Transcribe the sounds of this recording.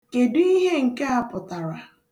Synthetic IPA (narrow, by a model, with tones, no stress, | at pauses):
ke˨dʊ˦i˦ɦe˦ŋ̩˨ke˦a˨pʊ˨ta˨ɾa˨